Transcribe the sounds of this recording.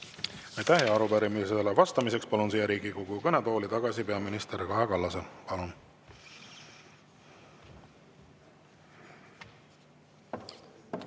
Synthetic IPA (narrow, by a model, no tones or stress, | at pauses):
ejt̪æhjeɑɾupæɾimiselevɑst̪ɑmise̞kspɑlunsijɑɾiːɡikoɡ̥ukɤne̞t̪o̞ːlit̪ɑɡ̥ɑsipe̞ɑminist̪eɾikɑɦe̞kɑlːɑselpɑlun